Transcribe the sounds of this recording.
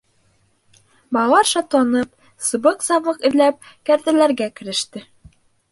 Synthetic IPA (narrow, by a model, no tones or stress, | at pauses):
bɑlɑɾʃɑt̪lˠɑnɤp̚ | sɤ̆bɤqsɑʁˠɤqɘ̆ðlæp̚ | kæɾt̪ælæɾɡækɘ̆ɾɘ̆ʃt̪ɘ